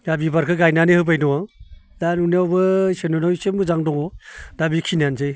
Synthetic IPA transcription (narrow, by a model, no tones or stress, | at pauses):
dabibaɾkʰɯɡajnanihɯbajnɔwaŋdanunawbɯsenɔnawjsemɯzaŋdɔŋɔdabikʰinanzɯj